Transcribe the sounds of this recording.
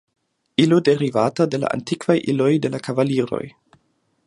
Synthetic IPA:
ilode̞ɾivatade̞la̰ʔa̰ntikvajʔilo̞jde̞lakavaliɾo̞̰j

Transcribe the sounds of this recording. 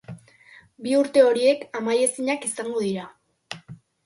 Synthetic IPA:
biuɾt̪e̞o̞ɾie̞kamaje̞siɲakisaŋɡo̞ðiɾa

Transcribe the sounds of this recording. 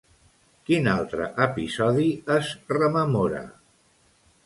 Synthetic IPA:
kinalˠt̪ɾə̰ʔəpizɔðiəzrəməmoɾə̰

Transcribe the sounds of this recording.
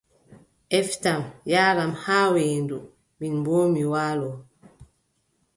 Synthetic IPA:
ʔɛftamjaːɾamhaːweːndu | minmboːmiwaːlɔ

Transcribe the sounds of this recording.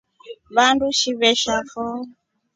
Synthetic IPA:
βanduʃiβɛʃafɔ

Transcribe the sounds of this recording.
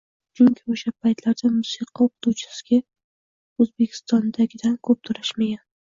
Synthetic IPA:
d͡ʒʊŋkʲʰɪoʃapʰajt̪laɾd̪amʊsiqʰɑoqʊt̪ʰut͡ʃʰɪ̥sɪ̥ɡʲa | ɵzbe̞kʲʰɪ̥st̪ɒnd̪aɡʲɪd̪ankʰɵp̚t̪ʰʊɾɪʃmaɡʲan

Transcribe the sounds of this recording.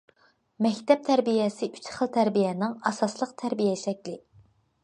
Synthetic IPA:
mɛkʲt̪ɛp̚t̪ʰæɾbijɛsɪʔyt͡ʃχəlˠt̪ʰæɾbijɛnɪŋɑsɑslˠəqt̪ʰæɾbijɛʃɛkʲlɪ

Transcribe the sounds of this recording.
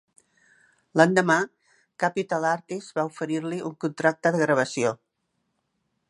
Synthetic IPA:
land̪əma | kapit̪alaɾt̪izβaufəɾiɾliʔuŋkunt̪ɾak̚t̪əðəɣɾəβ̞əsio

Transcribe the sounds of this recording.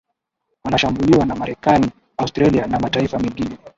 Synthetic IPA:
wanaʃambuliwanamaɾɛkani | austɾalianamataifamiŋɡinɛ

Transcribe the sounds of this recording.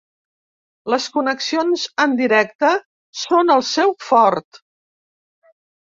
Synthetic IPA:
ləskunəksionzənd̪iɾɛk̚t̪ə | sonəlˠsɛwfɔɾt̪

